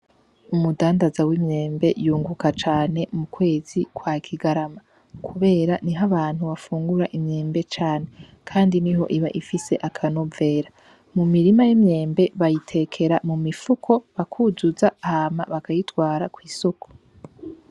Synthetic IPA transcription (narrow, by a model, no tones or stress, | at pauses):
umudaːndazawimɲe̞ːmbe̞juːŋɡukat͡ʃaːne̞mukwe̞ːz̥ikwaːkʰiɡaɾama | kʰuβe̞ːɾaniɦaβaːn̥huβafuːŋɡuɾaʔimɲe̞ːmbe̞t͡ʃaːne̞ | kʰaːndiniɦo̞̰ʔiβaʔifise̞ʔakʰano̞ve̞ːɾa | mumiɾimajimɲe̞ːmbe̞βajitʰe̞kʰe̞ɾamumifukʰo̞βakʰuzuzahama̰βakajitɡwaːɾakwiːsoko̥